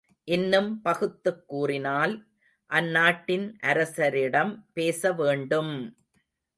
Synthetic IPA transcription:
ʔɪnːɯmpɐɣɯt̪ːɯkːuːrɪnaːl | ʔɐnːaːʈːɪnʔɐɾɐsɐɾɪɽɐmpeːsɐʋeːɳɖɯm

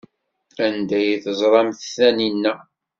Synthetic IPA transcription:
ænd̪æjθəzˤɾˤɑmθθæninːæ

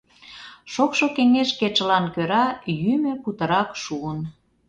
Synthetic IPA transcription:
ʃokʃokeŋeʃket͡ʃəlɑnkøɾɑjymøkut̪ə̆ɾɑkʃuən

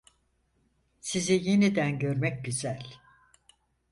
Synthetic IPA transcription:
sizije̞nid̪ænɟø̞ɾmɛc̚ɟyzælʲ

